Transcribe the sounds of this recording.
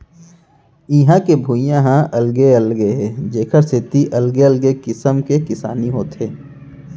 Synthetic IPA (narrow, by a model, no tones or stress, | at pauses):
ɪɦãkebʱuːjãɦãɐlɡeɐlɡeɦɛd͡ʒeːkʰəɾset̪iʔɐlɡeɐlɡekɪsəmkekɪsa̰ːniɦoːt̪ɦeː